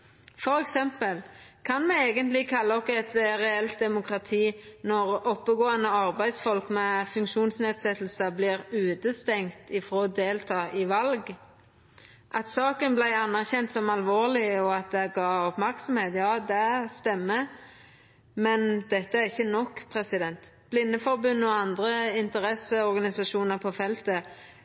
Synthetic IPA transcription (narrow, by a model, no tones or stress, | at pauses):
fɔɾɛksɛmpəlkʰɑnmɛeːɡənt̪lɪkʰɑlːəɔkːɛt̪ʁɛɛlt̪̚d̪ɛmʊkʁɑt̪ʰiːnɔɾɔpːəɡoːənəɑɾbæɪd̪sfɔlkmɛfʉŋkʃuːnsneːd̪sɛt̪ːl̩səblɪɾʉːt̪əst̪ɛŋkt̪ɪfɾoːd̪eːlt̪ʰɑːʔɪʋɑlɡ | ʔɑt̪sɑːkənblæɪɑnːæʁçɛnt̪sɔmɑlʋoːʁlɪɔɑt̪̚d̪ɛɡɑːɔpmæʁksɔmheːt̪jɑːd̪ɛst̪ɛmːə | mɛnd̪̥ɛt̪ːəæʁɪçːənɔkːpʰʁɛsɪd̪ɛnt̪b̥lɪnːəfɔʁbʉnːɔɑnd̪ʁəɪnt̪əʁɛsəɔɾɡɑnɪsɑʂuːnəʁpʰɔfɛlt̪ə